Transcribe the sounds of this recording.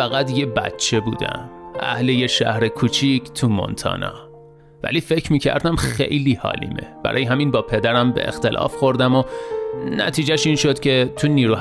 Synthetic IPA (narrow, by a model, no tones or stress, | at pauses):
æɣæd̪je̞bæ̰t̪t͡ʃʰːe̞bṵːd̪æ̰mʔæ̰hlejeʃæ̰hɾekʰuːt͡ʃʰikʰt̪ʰumo̰nt̪ʰɒ̰ːnɒ̰ː | væ̰liːfe̞cʰɾmiːcʰæ̰ɾd̪æmxḛjliːhɒ̰ːlḭːmḛb̥æ̰ɾɒːjeɦæmiːnbɒːpʰe̞d̪æɾæmbḛʔext̪e̞lʔɒ̰ːfxo̞ɾd̪æmonæ̰t̪ʰiːd͡ʒæʃiːnʃod̪̥cʰe̞t̪ʰuniːɾuː